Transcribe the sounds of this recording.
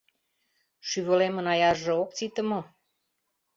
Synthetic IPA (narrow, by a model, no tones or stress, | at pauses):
ʃyβə̆lemə̆nɑjɑʒĕok̚t͡sit̪ə̆mo